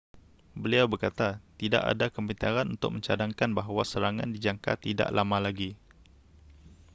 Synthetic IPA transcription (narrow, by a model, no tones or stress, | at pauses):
bəliawbərkat̪at̪ida̰ʔa̰dakəmbint̪aɾanunt̪ʊ̰k̚mə̃ɲt͡ʃadaŋkanbaɦwasəɾaŋã̰ndid͡ʒaŋka̰t̪ida̰ʔlamãlaɡi